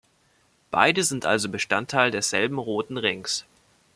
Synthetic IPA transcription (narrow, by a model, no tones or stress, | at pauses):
b̥a̰ɪdəzɪntʔa̰lzobəʃtantʰːaɪldeːɐz̥ɛlbm̩ʁoːtn̩ʁɪŋs